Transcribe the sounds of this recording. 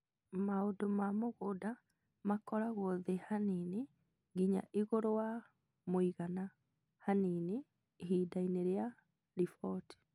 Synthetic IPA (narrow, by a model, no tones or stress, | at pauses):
maodomamoɣoda | makɔɾaɣɔðehanine | ɡiɲa̰ʔiɣoɾowa | moiɣana | hanine | ɦidaineɾea | ɾifɔti̥